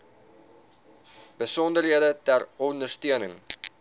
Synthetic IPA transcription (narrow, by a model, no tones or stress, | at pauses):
b̥əsɔndərɦiədətærɔndərstiənəŋ